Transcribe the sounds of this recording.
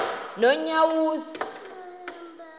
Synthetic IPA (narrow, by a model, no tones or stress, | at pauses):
nɔɲawuːsi̥